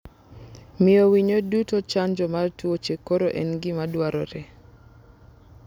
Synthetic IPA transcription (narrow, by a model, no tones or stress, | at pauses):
mɪowiɲodutot͡ʃand͡ʒɔmartwot͡ʃekoɾoʔɛnɡɪmadwaɾɔ̰ɾɛ